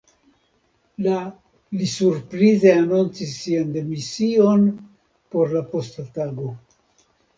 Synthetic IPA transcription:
la | lisuɾpɾize̞anunt͡sisːiande̞misio̞n | po̞ɾlapo̞stataɡo̞

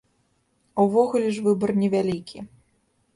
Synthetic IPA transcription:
uvɔɣulʲɛʐvɨbɐrnʲɛvʲalʲikʲi

